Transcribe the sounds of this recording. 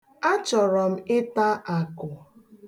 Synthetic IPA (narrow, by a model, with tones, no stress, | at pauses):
a˦t͡ʃɔ˨ɾɔ˨m̩˦ɪ˦ta˦ʔa˨kʊ˨